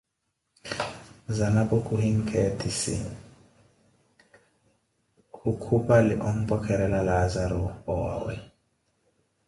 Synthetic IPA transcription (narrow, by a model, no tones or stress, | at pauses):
zanabokʼuhiŋ̩kʰɛtʰisḭ | kukʰupaliʔom̩pɔkʰɛɾɛlalazaɾɔɔwa̰wɛ̰